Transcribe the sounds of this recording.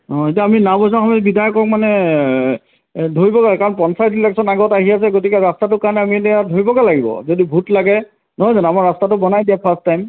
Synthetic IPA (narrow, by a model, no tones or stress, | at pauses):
ɔ̃etiaːminabɔjs̬ãxɔmɔbidʱajɔkɔk̚manɛ | dʱoɹibɔkakaɹɔnpɔnsajtɹilɛksɔnaɡɔtaɦiasɛɡotikɛɹastatʊkaɹnɛamitɛjadʱoɹibɔkalaɡibɔ̰zodibʱutlaɡɛ | nɔɦɔjzanamaɹastatʊbɔnajdijapʰastːajm